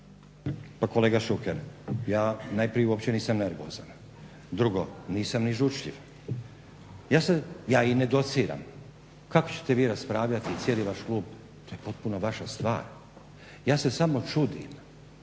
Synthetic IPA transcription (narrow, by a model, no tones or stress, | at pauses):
pako̞le̞ːɡaʃukeɾjaːnajpɾijeuopt͡ɕe̞niːsamne̞ɾʋo̰ːzan | d̪ɾuɡo̞niːsamniʒut͡ʃʎḭʋ | jaːsejaːined̪o̞t̪siːɾa̰m | kako̥t͡ɕe̥t̪e̞ʋiːɾaspɾaːʋʎat̪iːt̪sijeːliʋaʃklˠuːb | t̪o̞ːjepo̞t̪̚punoʋaʃast̪ʋa̰ːɾ | jaːse̞samo̞t͡ʃud̪ḭm